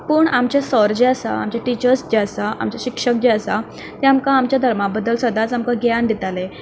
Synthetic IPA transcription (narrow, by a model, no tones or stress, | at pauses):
pəːɳamt͡ɕasəɾd͡ʑeəsa̰a̰mt͡ɕaʈit͡ɕəɾsd͡ʑeəsaʔa̰mt͡ɕaɕikʂək̚d͡ʑeəsa | t̪eamkaːmt͡ɕjad̪ʱəɾmabəd̪əlsəd̪ʱat͡samkaɡjand̪it̪ale